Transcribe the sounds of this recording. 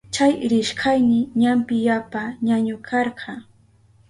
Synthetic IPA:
t͡ʃajɾɪʃkɑjnɪɲampɪjapaɲaɲʊkʰɑɾɢʰɑ

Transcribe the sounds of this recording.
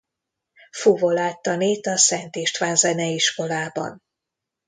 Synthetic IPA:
fuvo̞laːt̪ːɒneːt̪ɒsɛnt̪eːʃt̪ʋaːnzɛnɛiʃko̞laːbɒ̰n

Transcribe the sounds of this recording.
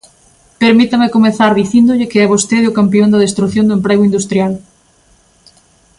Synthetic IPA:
peɾmit̪amekomeθaɾðiθind̪ʊʎɪkeɛβ̞ost̪eðʊkampiond̪ɐðest̪ɾuθjond̪ʊempɾeɣʊind̪ust̪ɾjal

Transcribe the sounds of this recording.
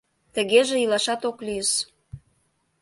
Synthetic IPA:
t̪ə̆ɣeʒeilɑʃɑt̪oklyjəʃ

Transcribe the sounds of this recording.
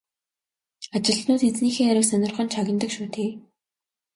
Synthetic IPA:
at͡ɕɪ̆ɮnʊːt̪et͡sniːxeːæɾʊ̆wsœnʲɪ̆rχə̆nt͡ɕʰaɣʲɪ̆nt̪ə̆kʃuːt̪ʰeː

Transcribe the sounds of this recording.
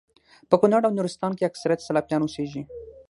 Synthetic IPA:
pəkʊnaɽawnuɾɪst̪ɑnkeaksaɾijat̪salɑpjɑnoseʒi

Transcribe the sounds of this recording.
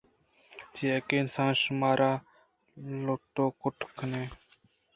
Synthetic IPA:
d͡ʒeekeːɪnsãːnʃʊmaːɾʔaː | lot̪oːkʊʈʰkʰəneː

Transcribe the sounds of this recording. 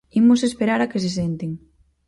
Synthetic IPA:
imʊs̬espeɾaɾakɪs̬es̬ent̪eŋ

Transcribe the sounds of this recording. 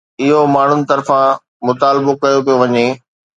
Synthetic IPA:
ɪɦomaːɳ̤ʊnɪ̆t̪ɐɾfã | mʊt̪aːlɪbokɐjopijoʋɐɲe

